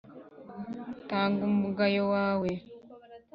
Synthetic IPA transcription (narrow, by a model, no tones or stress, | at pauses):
taːŋɡummuɡajowaːwe